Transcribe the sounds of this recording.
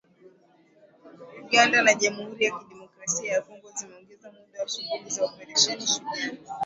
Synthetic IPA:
uɠandanaʄamuhuɾijakiɗɛmɔkɾasiajakɔŋɡɔzimɛɔŋɡɛzamuɗawaʃuɓulizaɔpɛɾɛʃɛniʃuɗani

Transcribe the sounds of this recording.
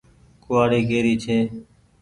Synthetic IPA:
kʊʋaːɽiːkeːɾiːt͡ʃʰeː

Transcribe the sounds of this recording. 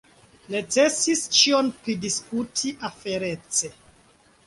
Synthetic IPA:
net͡se̞sist͡ʃio̞npɾidiskutʰiʔafe̞ɾe̞t͡se̞

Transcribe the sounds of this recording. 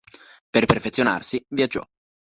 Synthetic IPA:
perperfet̪sjona̰rsivjad͡ʒːɔ̰

